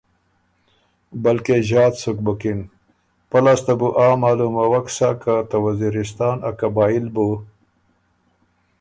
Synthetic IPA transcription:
bɐlkeʑɑːt̪suk̚bɐkin | pɐlast̪abuʔaːmaːlumɐwɐksakat̪ɐwɐziɾist̪ɑːnakɐbɑːilbu

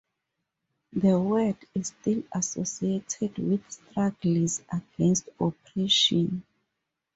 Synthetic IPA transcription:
ðəwɜdistilasosietʰɛdwiðstɹaɡlizaɡɛ̃nstɔpɹɛʃɔ̃n

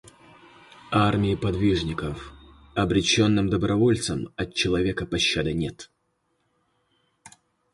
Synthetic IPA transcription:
armʲɪɪpɐd̪vʲiʐnʲɪkəf | ɐbɾʲɪt͡ɕo̞nːɨmd̪əbɾʔɐvo̞lʲt̪səmɐt̪̚t͡ɕːɪlˠɐvʲekəpɐɕːad̪ɨnʲet̪

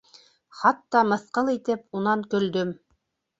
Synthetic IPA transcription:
χɑt̪ːɑmɤ̆θqɤlˠit̪ɘpunɑŋkɵ̆ld̪ɵm

